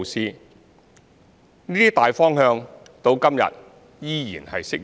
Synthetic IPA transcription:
siː˥ | niː˥t̪iː˥t̪aː˨jfɔː˥ŋhœː˧ŋ | t̪o˧wkɐ˥mjɐ̰˨t̚ | jiː˥jiː˨˩nhɐ̰˨jsɪ˥k̚

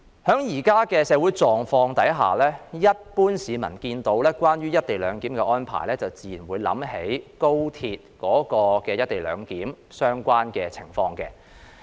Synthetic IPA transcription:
hœː˨˥ŋjiː˨˩kaː˥kɛ˧sɛː˨˧wuː˨˥jt͡sɔː˨ŋfɔː˧ŋt̪ɐ˨˥jɦa̰ː˨lɛː˥jɐ˥t̚puː˥nsiː˨˧mɐ̰˨˩nkiː˧nt̪o˨˥wlɛː˥kʷaː˥nɥyː˥jɐ˥t̚t̪e˨jlœː˨˧ŋkiː˨˥mkɛː˧ʔɔː˥npʰa̰ː˨˩jlɛː˥t͡sɐ˨wt͡siː˨˩jiː˨˩nwuː˨˧jlɐ̰˨˥mhe˨˥jko˥wt̪ʰiː˧t̚kɔː˨˥kɔː˧kɛː˧jɐ˥t̚t̪e˨jlœ̰ː˨˧ŋkiː˨˥m | sœː˥ŋkʷaː˥nkɛː˧t͡sʰɪ˨˩ŋfɔː˧ŋkɛ̰ː˧

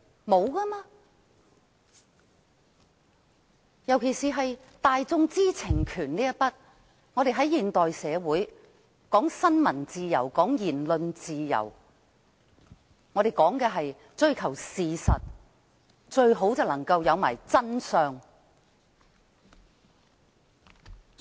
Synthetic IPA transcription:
mo˨˧wkaː˥maː˧ | jɐ˨˩wkʰe˨˩jsiː˨˩ɦɐ˨j | t̪aː˨˧jt͡sʊ˧ŋt͡siː˥t͡sʰɪ˨˩ŋkʰyː˨˩nliː˥jɐ˥pɐ˥t̚ | ŋɔː˨˧ɾe˨jɦɐ˨˥jiː˨nt̪ɔː˨jsɛː˨˧wuː˨˥j | kɔː˨˥ŋsɐ˥nmɐ˨˩nt͡siː˨jɐ˨˩wkɔː˨˥ŋjiː˨˩nlɵ˧nt͡siː˨jɐ̰˨˩w | ŋɔː˨˧ɾe˨jkɔː˨˥ŋkɛː˧ɦɐ˨j | t͡ʃɵ˧˥ɥkʰɐ˨˩wsiː˨sɐ˨t̚ | t͡ʃɵ˧ɥɦo˨˥wt͡sɐ˨wlɐ˨˩ŋkɐ˧wjɐ˨˧wma̰ː˨˩jt͡sɐ˥nsœː˧ŋ

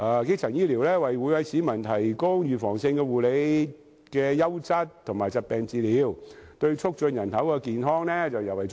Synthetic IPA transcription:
ʔaː˨˧ke˥k̚t͡sʰɐ˨˩ŋjiː˥liː˨˩wlɛː˥wɐ˨˩jwu˨˧˥jwɐ˨˧jsiː˨˥mɐ˨˩nt̪ʰɐ˨˩jkʊ˥ŋjyː˨fɔː˨˩ŋsɪ˧ŋkɛː˧wuː˨˩le˨˧j | kɛː˧jɐ˥wt͡sɐ˥t̚t̪ʰːʊ˨˩ŋmaː˨˩jt͡sɐ˨t̚pɛː˨˧ŋt͡siː˧liː˨˧wt̪ɵ˧ɥt͡ʃʰʊ˥k̚t͡ʃɵ˧njɐ˨˩nt̪ɐ˨˥wkɛː˧kiː˨nɦɔː˥ŋnɛː˥t͡sɐ˨wjɐ˨˩wɐ˨˩j

